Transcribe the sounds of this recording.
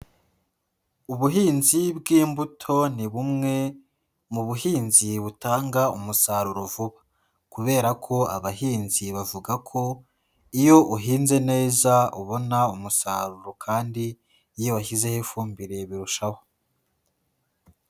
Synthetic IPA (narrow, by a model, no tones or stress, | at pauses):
uβuɦiːnzibɡiːmbutʰo̞niβumŋe̞ | muβuɦiːnziβutaːŋɡaumusaːɾuɾovuβḁ | kuβe̞ːɾakʰo̞a̰βaɦiːnziβavuɡakʰo̞ | ijo̞ʔuɦiːnze̞ne̞ːzauβo̞naumusaːɾuɾo̞kʰaːndiː | jo̞βaçize̞hefuːmbiɾe̞βiɾuʃaho